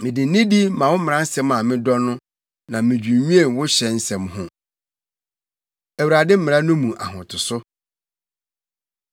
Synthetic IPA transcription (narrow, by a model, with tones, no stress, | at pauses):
mɪ̃˨dɪ̃˨˦nɪ̃˦di˦mã˨wʊ˦mɪ̃˨ɾã˦n̩˦sɛ̃˦mã˨mɪ̃˦dɔ˦nʊ̃˦ | nã˨mɪ̃˨d͡ʑᶣu˨˦ɲũ˦e˦˨wʊ˦ɕɛ˨n̩˦sɛ̃˨mhʊ̃˦ | æ˨wu˨ɾa˨dɪ˦m̩˦mɪ̃˨ã˦nʊ̃˦mũ˨ʔa̰˨ɦʊ̃˨tʰʊ˨sʊ˦